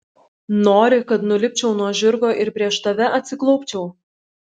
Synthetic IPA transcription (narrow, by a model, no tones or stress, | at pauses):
noːɾʲɪkɐt̪nʊlʲɪp̚ʲt͡ʃʲɛʊnuɔʒʲɪɾɡoːʔɪɾpʲɾʲiɛʃt̪ɐʋʲɛʔɐt̪ʲsʲɪklˠɔʊpʲt͡ʃʲɛʊ